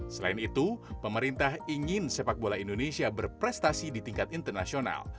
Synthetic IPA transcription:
səla̰init̪upəməɾint̪ahiŋɪnsepak̚bolaindonesiabərpɾɛst̪asidit̪iŋkat̪int̪ərnasiona̰l

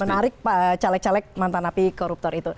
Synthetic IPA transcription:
mənaɾɪk̚pat͡ʃalɛk̚t͡ʃalɛk̚mant̪anapikɔɾup̚t̪ɔrit̪u

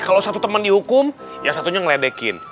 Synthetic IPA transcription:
kalowsat̪ut̪əməndihukʊm | jasat̪uɲaŋlɛdɛkɪ̰n

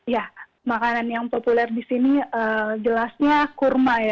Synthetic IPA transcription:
ija | makananjaŋpopulɛrdisiniəd͡ʒəlasɲakurmaja

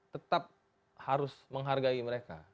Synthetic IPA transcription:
t̪ət̪ap̚ | haɾʊsməŋɦarɡaiməɾeka̰

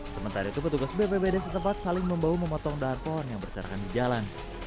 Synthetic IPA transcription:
səmənt̪aɾait̪upət̪uɡasbepebedasət̪əmpat̪̚salɪŋməmbawuməmɔt̪ɔŋdaɦanpɔɔnjaŋbərsəɾa̰kandid͡ʒalan

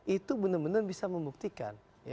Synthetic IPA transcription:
it̪ubənəmənərbisaməmbuk̚t̪ika̰n | ja

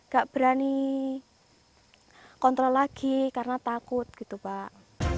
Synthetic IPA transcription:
ŋɡ̥aʔb̥ɾani | kɔnt̪ɾɔlaɡ̥ikarnat̪akʊt̪̚ɡ̥i̤t̪upaʔ

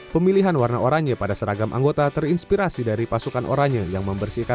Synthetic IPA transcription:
pəmiliɦanwarnaʔoɾaŋɲapadasəɾaɡamʔa̰ŋɡot̪at̪ərinspiɾasidaɾipasukanʔo̰ɾaŋɲajaŋməmbərsika

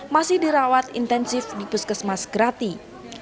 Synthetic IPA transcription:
masɪhdiɾawat̪ḭnt̪ɛnsɪfdipəskəsmasɡɾat̪i

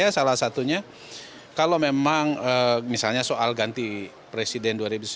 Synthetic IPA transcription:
asalasat̪uɲa | kalomemaŋəmisalɲasoʔalɡant̪i | pɾesidɛnduaɾibus

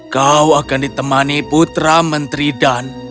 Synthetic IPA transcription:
kawakandit̪əmaniput̪ɾamənt̪ɾidan

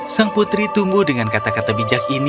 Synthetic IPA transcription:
saŋput̪ɾit̪umbʊhdəŋankat̪akat̪abid͡ʒakin

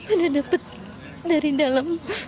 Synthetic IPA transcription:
kənadapət̪̚ | daɾidalam

